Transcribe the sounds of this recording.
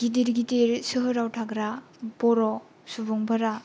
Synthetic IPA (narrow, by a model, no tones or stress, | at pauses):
ɡidiɾɡidiɾsɯɦɯɾawtʰaɡɾa | bɔɾɔ | subɔŋbaɾa